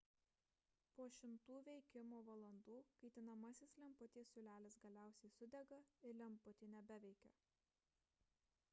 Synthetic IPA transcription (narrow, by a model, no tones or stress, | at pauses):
poɔʃʲɪmt̪uːʋʲɛɪkʲɪmoːʋɐlˠɐnd̪uːkɐɪt̪ʲɪnɐmɐsʲɪslʲɛmpʊt̪ʲiːsʲʊlʲæːlʲɪsɡɐlʲæˑʊsʲɛɪsʊd̪ʲɛɡɐɪɾlʲɛmpʊt̪ʲiːnʲɛbʲɛʋʲɛɪkʲɛ̰